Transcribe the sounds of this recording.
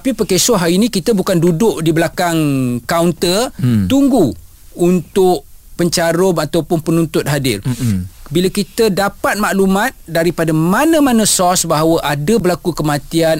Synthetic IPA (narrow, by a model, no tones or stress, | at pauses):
t̪apipəkesɔɦainĩkit̪əbukandudʊʔdibəlakaŋkaunt̪ərt̪uŋɡu | unt̪ʊʔpəɲt͡ʃaɾʊmat̪awpʊnpənunt̪ʊt̪̚ɦadɪrbilakit̪ədapat̪̚maʔlumãt̪̚daɾipadamanə̃mãnə̃sɔsbaɦawəʔadəbəlakukəmãt̪ian